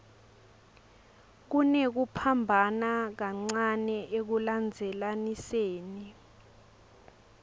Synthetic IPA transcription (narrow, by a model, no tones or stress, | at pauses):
k̬unek̬upʰambʱanak̬aŋ͡ǀanɛʔek̬uland͡zʱɛlaniseːni